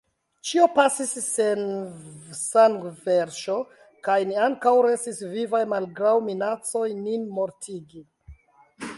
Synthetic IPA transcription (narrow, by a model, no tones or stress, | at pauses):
t͡ʃio̞pasisːen | saŋɡveɾʃo̞ | kajniaŋkawɾe̞stisvivajmalɡɾawminat͡so̞jninmo̞ɾtʰiɡi